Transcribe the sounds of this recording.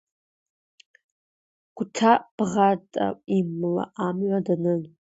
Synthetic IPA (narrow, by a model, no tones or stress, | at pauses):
ɡ̥ʷtʰab̥ʁatʼa̰imla̰ʔamʕʷadanɨn